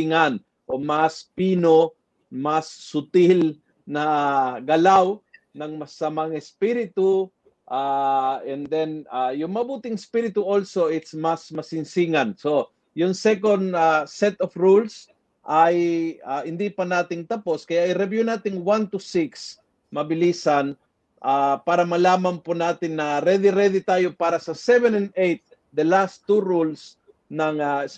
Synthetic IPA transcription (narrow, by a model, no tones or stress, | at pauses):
ŋan | ʔomaspiːno | masːʊt̪il | nɐɡɐlaw | nɐŋmɐsɐmaŋɛspiɾɪt̪u | ʔaʔɛnd̪ɛnajʊŋmɐbuːt̪ɪŋɛspiɾɪt̪uʔolso̞ʔɪt̪smasmɐsɪnsiŋanso | jʊŋsɛkond̪asɛt̪ofɾuls | ʔajahɪnd̪ipɐnaːt̪ɪŋt̪ɐposkɐjaʔːjɾɛbjunaːt̪ɪŋwant̪usiks | mɐbɪliːsɐn | ʔapaːɾɐmɐlaːmɐnpʊnaːt̪ɪŋnɐɾɛd̪ɪɾɛd̪ɪt̪aːjopaːɾɐsɐsɛvɛnɛnd̪ejt̪̚ | d̪ɐlast̪ːuɾuls | nɐŋas